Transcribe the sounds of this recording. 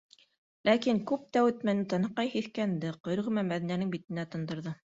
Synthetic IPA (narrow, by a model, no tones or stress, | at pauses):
lækiŋkʉp̚t̪æwɘ̆t̪mænɘt̪ɤ̆nɤ̆qːɑjhiθkænd̪ɘqŏjɾʁɘ̆mæmæðinænɘŋbit̪ɘ̆næt̪ɤ̆nd̪ɤ̆ɾðɤ